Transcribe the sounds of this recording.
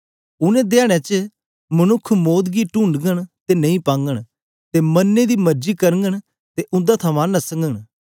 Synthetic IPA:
ʊnẽːd̪eaːɽ̃ẽt͡ʃə | mənʊkʰːmoːd̪ɡiːʈʊːɳɖɡəɽ̃t̪eːnɐĩːpãːŋɡəɽ̃ | t̪eːmənːed̪iːməɾd͡ʒiːkəɾəŋɡəɽ̃ | t̪eːʔʊ̃nd̪aːt̪ʰəmãːnɐsəŋɡəɽ̃

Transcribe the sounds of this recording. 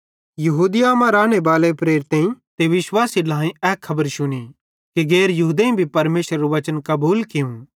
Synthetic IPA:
jɐɦuːd̪ɪjaːmãɾaːɽ̃ebaːlepɾeːɾt̪ẽĩt̪eʋɪʃwaːsilaːĩɛːkʰːɐbəɾʃʊɽ̃i | keɡɛːɾjɐɦuːd̪ẽĩbʱipɐɾmeːʃɾːuʋɐt͡ʃənkɐbuːlkɪũ

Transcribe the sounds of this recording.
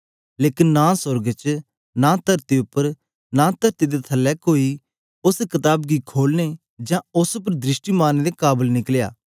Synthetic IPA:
leːkɪnːãːsʊɾɡt͡ʃ | nãt̪əɾt̪eʊpːəɾ | nãːt̪əɾt̪ed̪et̪ʰɐlːɛkoːi | ʊskɪt̪aːbɡikʰoːlne | d͡ʒãːʊspəɾd̪ɾɪsʈimaːned̪ekaːbəlnɪklja̰ː

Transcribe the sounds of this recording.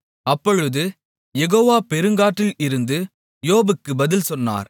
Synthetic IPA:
ɐpːɔɻɯðɯ | jɛɣoːʋaːpɛɾɯŋɡaːʈːɪlɪɾɯnd̪ɯ | joːbɯkːɯbɐðɪlsɔnːa̰ːɾ

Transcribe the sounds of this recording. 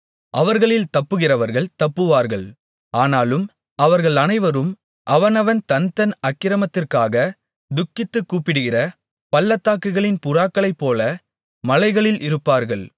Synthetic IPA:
ʔɐʋɐɾɣɐɭɪlt̪ɐpːɯɣɪrɐʋɐɾɣɐɭt̪ɐpːɯʋaːɾɣɐɭ | aːnaːlɯm | ɐʋɐɾɣɐɭɐnɐɪʋɐɾɯm | ʔɐʋɐnɐʋɐnt̪ɐnt̪ɐnɐkːɪɾɐmɐt̪ːɪrkaːɣɐ | d̪ʊkːɪt̪ːɯkːuːpːɪɽɯɣɪrɐ | pɐlːɐt̪ːaːkːɯɣɐɭɪnpʊraːkːɐɭɐɪpːoːlɐ | mɐlɐɪɣɐɭɪlʔɪɾɯpːaːɾɣɐɭ

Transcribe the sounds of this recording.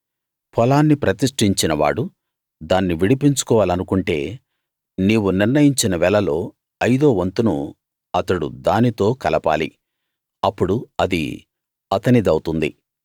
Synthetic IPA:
pʰɔlaːnːipɾɐt̪iʂʈiɲt͡ʃinɐʋa̰ːɽu | d̪aːnːiʋiɽipiɲt͡ʃu̥kɔːʋaːlɐnukuɳʈe̞̰ː | niːwuniɾnɐjiɲt͡ʃinɐʋɛlɐlo̞ː | ɐjd̪o̞ːʋɐnt̪unṵ | ɐt̪ɐɽṵd̪aːnit̪o̞ːkɐlɐpa̰ːlḭ | ɐpːuɽuɐd̪ḭ | ɐt̪ɐnid̪ɐwt̪und̪ḭ

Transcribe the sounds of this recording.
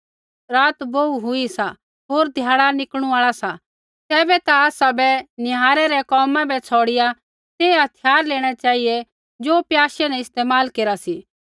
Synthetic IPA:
ɾaːt̪boːuɦʊisa | ɦoːɾd̪ʱjaːɽanɪkɽ̃ũaːɭasa | t̪ɛːbɛt̪aaːsabɛnɪɦaːɾɛɾɛkɔːmãbɛt͡sʰɔːɽɪja | t̪eːɦɐt̪ʰjaːɾleːɽ̃ɛt͡ʃaːie | d͡ʒoːpjaːʃɛnɛɪst̪eːmaːlkeːɾasiː

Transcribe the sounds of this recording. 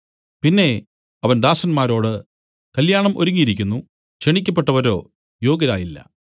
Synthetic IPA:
pinːe̞ | ɐʋɐnd̪aːsɐnmaːɾo̞ːɽɨ | kɐljaːɳɐmoɾuŋːijiɾikʲːunːu | ɕeɳikʲːɐpːe̞ʈːɐʋɐɾo̞̰ː | jo̞ːɡɐɾaːjilːɐ̰

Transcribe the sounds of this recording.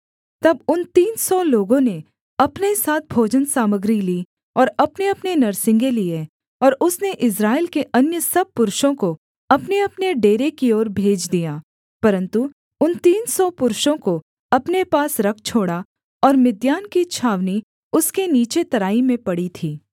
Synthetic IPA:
t̪ɐbʊnt̪iːnsɔloːɡõne | ɐpnesaːt̪̚ʰbʱoːd͡ʒənsaːməɡɾiliː | ɔːɾɐpneɐpnenɐɾsɪ̃ŋɡelije | ɔːɾʊsneʔɪs̬ɾaːɪlkeʔɐnjəsɐb̚pʊɾʃõko | ɐpneɐpneɖeːɾekioːɾbʱeːd͡ʒd̪ijaː | pɐɾə̃nt̪u | ʊnt̪iːnsɔpʊɾʃõko | ɐpnepaːsɾɐk̚ʰt͡ʃʰoːɽa | ɔːɾmɪd̪jaːnkit͡ʃʰaːʋni | ʊskeniːt͡ʃet̪ɐɾaːimẽpɐɽit̪ʰiː

